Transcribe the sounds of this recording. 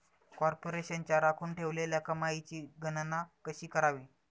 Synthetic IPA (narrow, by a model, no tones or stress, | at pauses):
kɔɾpoɾeɕənt͡ɕjaɾakʰuːnʈʰeʋleljakəmajit͡ɕiːɡənnakəɕiːkəɾaʋiː